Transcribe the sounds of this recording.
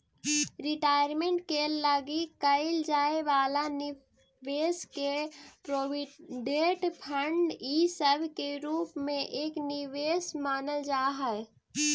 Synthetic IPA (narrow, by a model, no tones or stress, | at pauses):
ɾɪʈaːjəɾmẽɳʈ̚keləɡikəɪld͡ʒaːeʋaːlan | ʋeːskepɾoːɖeːʈpʰəɳɖiːsəbkeɾuːpmẽʔeːknɪʋeːsmaːnəld͡ʒaːɦə